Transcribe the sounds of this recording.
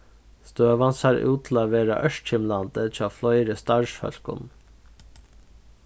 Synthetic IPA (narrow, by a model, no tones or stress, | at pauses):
st̪øːʋɑnsɑːɾʔʉ̰ːt̪ʰl̩ɑːʋeːɾɑ̰ʔœʃʰɪmlɑnd̪ət̪ʰɪoːflɔʏɾəst̪ɑɹʃfœ̰lkʊ̰n